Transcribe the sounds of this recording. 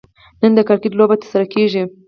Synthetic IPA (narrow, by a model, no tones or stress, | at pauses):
nənd̪əkɑɾkeʈlobat̪əɾsaɾakeʒi